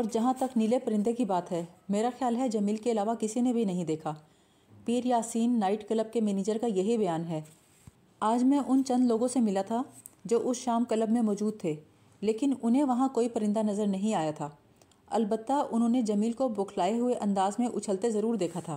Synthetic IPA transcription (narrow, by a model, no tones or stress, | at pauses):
ɔːɾd͡ʒɐɦãt̪ɐknɪlepɐɾɪ̃nd̪ʱekibaːt̪ɦɛːmeːɾaxjaːlɦɛd͡ʒɐmiːlkeɐlaːʋakɪsinebʱinɐɦĩd̪eːkʰaː | piːɾjaːsiːnːaːɪʈkɐləb̚kemɛːniːd͡ʒəɾkajɐɦibɐjaːnɦɛː | aːd͡ʒmɛ̃ʔʊnt͡ʃɐ̃nd̪loːɡõsemɪlat̪ʰa | d͡ʒoːʔʊsʃaːmkɐləbmẽmɔːd͡ʒuːd̪̚t̪ʰeː | leːkɪnʊnɦẽʋɐɦãkoːipɐɾɪ̃nd̪anɐzəɾnɐɦĩaːjat̪ʰaː | ɐ̰lbət̪ːaʊnɦõːned͡ʒɐmiːlkoboːkʰlaːeɦʊeʔɐ̃nd̪aːzmẽʔʊt͡ʃʰəlt̪ezɐɾuːɾd̪eːkʰat̪ʰaː